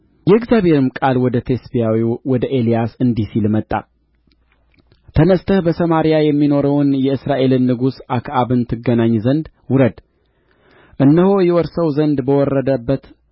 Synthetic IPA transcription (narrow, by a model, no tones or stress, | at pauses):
jɛɨɡzjaβhe̞ɾɨmkʼalwɔd̪ət̪ʰe̞sbijawiwɔd̪əʔe̞lijasɨnd̪isilmət̪ʼːa̰ | t̪ʰənəst̪ʰəhbəsəmaɾijajɛmːino̞ɾəwnjɛɨsɾaʔe̞lɨnːɨɡusakʰʔaβɨnt̪ʰɨɡənaɲːzənd̪ | wʊɾəd̪ | ʔɨnːəho̞jɛwɔɾsəwzənd̪bəwɔrːəd̪əbːət̪